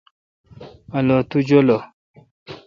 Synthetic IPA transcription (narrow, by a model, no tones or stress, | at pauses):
alɔtud͡ʒolɔ